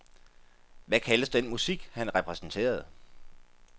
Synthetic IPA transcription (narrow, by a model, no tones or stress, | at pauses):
ʋækʰæləsd̥enmusiɡ̥hænʁɛpʰʁɛsn̩t͡sʰe̝̰ːɐð̞̩ˠ